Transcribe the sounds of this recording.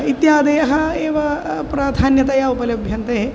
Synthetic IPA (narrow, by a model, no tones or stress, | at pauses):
it̪jaːd̪ejɐɦɐeːʋɐpɾad̪ʱaːnjɐt̪ajaupɐljɐbʱjɐnt̪ɐɦe